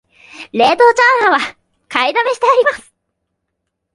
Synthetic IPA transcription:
ɾe̞ːt̪o̞ːt͡ɕaːnaβa | kaid̪abeɕi̥t̪eaɾʲimasɨ̥

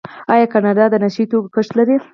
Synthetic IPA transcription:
ɑjɑkanɑɖɑd̪ənaʃəit̪okkəʂt̪laɾi

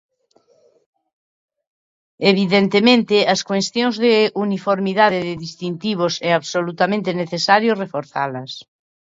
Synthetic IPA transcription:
eβiðent̪emẽnt̪ɪɐskwest̪jõŋzðeunifoɾmiðaðeðɪðist̪int̪iβ̞osɛaβsolut̪amẽnt̪eneθesaɾjorefoɾθa̰lɐs

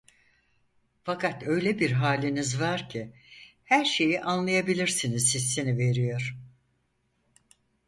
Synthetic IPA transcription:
fakʰat̪ø̞jlʲebiɾɦaːlʲinizvaɾcʰi | hæɾʃe̞jiʔanlˠajabilʲiɾsinizsisːinive̞ɾijo̞ɾ̥

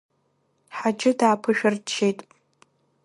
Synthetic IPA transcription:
ħad͡ʒɪdaːpʰɨʃᶣɪrt͡ʃʰːejtʼ

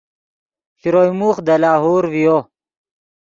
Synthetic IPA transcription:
xiɾojmuːχd̪ɐlaːɦoːɾvijo

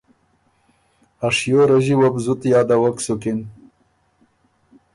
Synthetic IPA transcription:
aʂjoɾaʒiwabzʊt̪jɑːd̪awaksʊkɪn

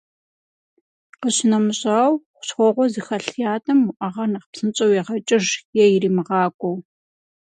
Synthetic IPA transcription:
qəɕɪnɐmɨɕʼaːwχʷʊ̥ɕχʷɔʁʷɔzɨxɐɬjaːtʼɐmʊʔɐʁɐnɐχpsɨnt͡ʃʼɐwjɛʁɐt͡ʃʼɪʒjɛjɪriːmɨʁɑːkʷʼɔw

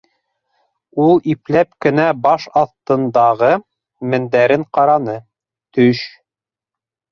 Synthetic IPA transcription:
ulˠiplæpkɘ̆næbɑʃɑθt̪ɤ̆nd̪ɑʁɤ | mɘ̆nd̪æɾɘɴqɑɾɑnɤ | t̪ɵʃ

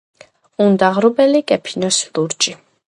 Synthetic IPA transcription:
und̪aʁɾubɛlikʼɛpʰinɔslˠuɾt͡ʃʼi

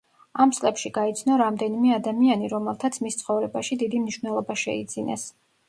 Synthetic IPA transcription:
amt̪sʼlɛpʃiɡait̪sʰnɔɾamd̪ɛnimɛad̪amianiɾɔmɛlˠt̪ʰat̪sʰmist̪sʰχɔvɾɛbaʃid̪id̪imniʃvnɛlˠɔbaʃɛ̰ḭd̪z̥inɛ̰s

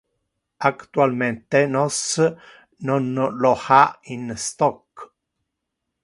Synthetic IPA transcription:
akt̪ualment̪enɔs | nɔnlɔhainst̪ɔkː

